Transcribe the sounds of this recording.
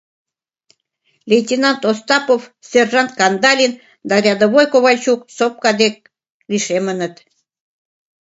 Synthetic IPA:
lʲetʲinɑnt̪ost̪ɑpofsʲerʒɑnt̪̚kɑnd̪ɑlʲin | d̪ɑɾʲɑd̪oβojkoβɑt͡ɕuk̚sop̚kɑd̪ek̚ | liʃemənət̪

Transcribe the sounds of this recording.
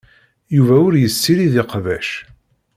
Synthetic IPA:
juvæʊɾjəsːiɾiðɪqvæʃ

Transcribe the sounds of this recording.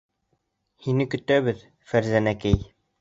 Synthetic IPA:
hinɘkɵ̆t̪æβɘð | fæɾzænækɘj

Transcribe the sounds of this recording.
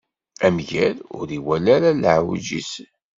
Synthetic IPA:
æmʝælʊ̰ɾiwælæɾalʕwd͡ʒḭs

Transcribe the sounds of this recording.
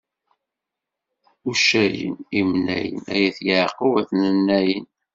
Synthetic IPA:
uʃæjə̰nimnæ̰jə̰næjæθjəʕqːuwæθnənːæjən

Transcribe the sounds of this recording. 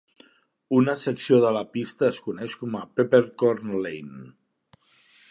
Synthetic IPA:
unəsəksioðələpist̪əːskunɛʃkɔməpepeɾkɔɾnlejn

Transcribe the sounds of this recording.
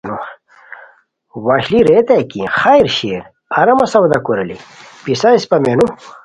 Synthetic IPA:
nu | waɕliɾeːt̪ekḭ̃xaiɾɕeːɾ | ɐɾɐmɐsɐwd̪ɐkuɾɐlḭpisaispɐmenu

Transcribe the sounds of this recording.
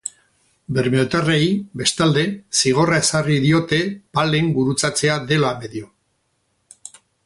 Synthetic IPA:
be̞ɾmiot̪arejbe̞st̪ald̪e̞siɣ̞o̞rae̞sariðio̞t̪e̞pale̞ŋɡuɾut͡sat͡se̞aðe̞lame̞ðio

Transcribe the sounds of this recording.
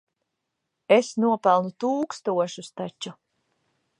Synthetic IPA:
esnuɔpælˠnut̪uːkst̪uɔʃust̪at͡ɕːu

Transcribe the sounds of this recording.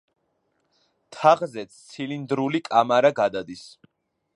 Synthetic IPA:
t̪ʰaʁzɛt̪sʰt̪sʰilind̪ɾulikʼamaɾaɡad̪ad̪is

